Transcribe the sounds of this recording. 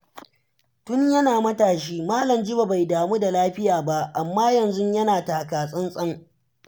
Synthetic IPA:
tʊ˦ɲjɐ˦naː˨mɐ˦taː˨ʃiː˦maː˦lɐ˨md͡ʒɪ˦ba˨ba˨jdaː˨muː˦da˨laː˦ɸɪ˦jaː˨ba˦ʔa˨mːaː˦jɐ˨nzʊ˦ɲjɐ˦naː˨taː˨kaː˨sʼɐ˦nsʼɐ˦ŋ

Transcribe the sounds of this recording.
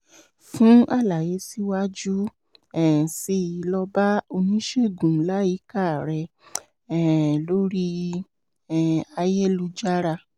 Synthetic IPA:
fũ˦a˦˨la˨je˨˧˦si˦wa˦d͡ʒu˦ | ɛ˨si˦˨i˨˧lɔ˧ba˦o˧nĩ˦ʃe˦˨ɡũ˨˦la˨˦ji˨˦ka˦˨ɾɛ˧ | ɛ˦˨lo˦ɾi˦ | ɛ˨a˧jɛ˦lu˧d͡ʒa˦ɾa˧

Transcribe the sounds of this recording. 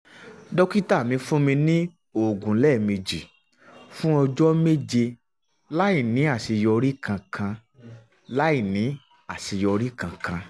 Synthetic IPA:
dɔ˦ki˦ta˦˨mĩ˧fũ˦mĩ˧nĩ˦ | o˦˨ɡũ˨˦lɛ˦˨mĩ˧d͡ʒi˨ | fũ˦ɔ˧d͡ʒɔ˦me˦d͡ʒe˧ | la˦i˦˨nĩ˨˦a˦˨si˧jɔ˧ɾi˦kʰã˧kʰã˧ | la˦i˦˨nĩ˨˦ | a˨si˧jɔ˧ɾi˦kã˧kã˧

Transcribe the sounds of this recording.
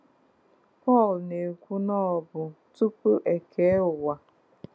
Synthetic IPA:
pɔ˦˨lne˨kʷu˦nɔ˦˨bʊ˨ | tu˦pu˦ʔe˨kʰe˨˦ʊ˨wa˨

